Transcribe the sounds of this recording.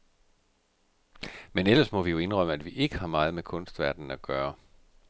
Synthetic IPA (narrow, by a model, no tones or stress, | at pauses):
menelɐsmɒ̽ʋijo̝e̝nʁɶm̰əæd̥ʋiʔe̝ɡ̥əhɑ̈mɑ̈ːð̞̩ˠmekʰɔ̽nsd̥ʋæɐd̥n̩æɡ̥ɶːɐ